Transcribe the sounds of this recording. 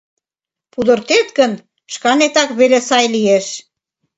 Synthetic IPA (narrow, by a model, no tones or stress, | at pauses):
pud̪ə̆rt̪et̪ɡə̆n | ʃkɑnet̪ɑkβelesɑjlieʃ